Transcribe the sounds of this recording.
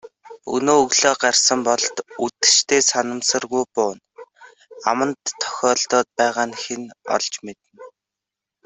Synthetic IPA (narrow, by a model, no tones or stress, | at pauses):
ṵnoːɵɣɮoːɢarsə̆mpɔɮt̪ut̪ɘ̥̆ʃt̪ʰeːsanə̆msə̆rɣujpʊːn | amə̆nt̪ʰːœ̥xʲɔːɮt̪ɔːt̪̚pæːʁaːnxenɔ̰ɮt͡ɕmet̪ɘ̆n